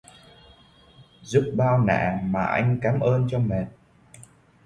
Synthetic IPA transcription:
zu˦˥p̚ɓaː˧wna̰ː˧˨maː˨˩ʔa˧jŋ̟kaː˨˦mʔəː˧nt͡ɕɔ˧me˨˩t̚

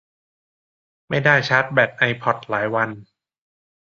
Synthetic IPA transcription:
ma˥˩jdaː˥˩jt͡ɕʰa˦˥t̪̚bɛː˨˩t̪̚ʔa˧jpʰɔ˨˩t̪̚laː˩˦jwa˧n

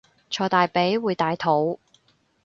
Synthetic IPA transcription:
t͡ʃʰɔː˨˩t̪aː˨jpe˨˥jwuː˨˧jt̪aː˨˧jt̪ʰo˨˥w

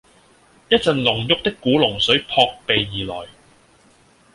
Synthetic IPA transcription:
jɐ˥t̚t͡sɐ˨nlʊ˨˩ŋjʊ˥k̚t̪ɪ˥kːuː˨˥lʊ˨˩ŋsɵ˨˥ɥpʰɔː˧k̚pe˨jːiː˨˩lɔ̰ː˨˩j

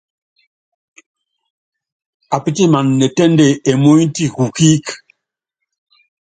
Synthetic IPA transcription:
a˨pi˦ti˦ma˨nːɛ˨tɛ˦nde˨e˨mo˦i˦ti˦ku˨ki˦k

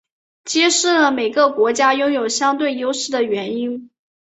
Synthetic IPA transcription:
t͡ɕjɛ˥ʂɻ̩˥˩lə˩me˨˩ɪɡə˧kwɔ˧˥t͡ɕja˥jʊ˥ŋjo˨˩ʊɕjɑ˥ŋt̪we˥˩ɪjo˥ʊʂɻ̩˥˩d̪ə˩ɥɛ˧˥ni˥n

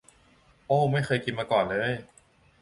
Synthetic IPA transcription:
ʔoː˧˥˩ma˥˩jxɤː˧jki˧nmaː˧kɔː˨˩nlɤː˧j

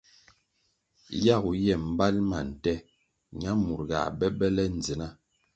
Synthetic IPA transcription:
ja˦˨ɣu˨jɛ˦˨m̩˦ba˦lma˨n̩˨tɛ˦ | ɲa˦mu˨ɾɣa̰˨bɛ˦bɛ˦lɛ˦n̩˨d͡zi˨na˦˨

